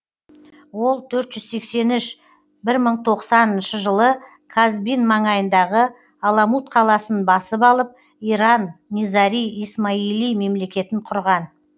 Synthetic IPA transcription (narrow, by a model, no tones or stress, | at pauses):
wo̞lˠt̪ʰɵɾt̪ʒ̥ʏzse̞kse̞nʏʃ | bɪɾməɴt̪ʰo̞qsɑnənʃəʒəlˠə | kʰazbijnmɑɴɑjənd̪ɑʁə | ɑlˠɑmut̪qʰɑlˠɑsənbɑsəpɑlˠəp̚ | iɾɑnːʲizɑɾijismailijme̞mle̞kʲe̞t̪ɪɴqʰʊɾʁɑn